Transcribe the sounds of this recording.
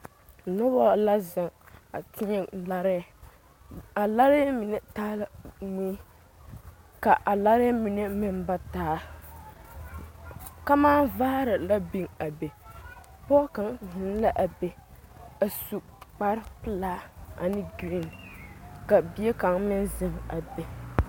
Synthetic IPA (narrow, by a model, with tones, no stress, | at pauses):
nɔ˦bɔ˦la˦zɪ˨ŋa̰˨tʰɪ˦ɲɛ˦la˦ɾɛ˦˨ | a˨la˦ɾɛ˦mi˨nɛ˦taː˦la˦mi˦ | ka˨ʔa˨la˦ɾɛ˦mi˨ne˦mɪ˦nba˦taː˦ | ka˦maː˦vaː˦ɾɨ˨la˦bi˨ŋa˨be˨ | pɔː˦ka˨ŋɦɪ˨˦n˦la˦ʔa˨be˨a˨su˨k͡pa˦ɾɪ˦pɨ˦laː˦a̰˨nɪ˦ɡi˨˦˨n | ka˨bi˦e˦ka˨ŋmɪ˦nzɪ˦˨ŋa̰˨be˨